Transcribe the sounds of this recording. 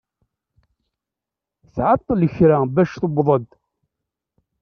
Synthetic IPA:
θʕət̪ˤːələçɾæbæʃθobðˤəd̪

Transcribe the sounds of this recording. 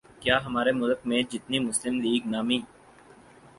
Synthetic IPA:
kjaːɦəmaːɾemʊlək̚mẽd͡ʒɪt̪nimʊslɪmliːɡnaːmĩː

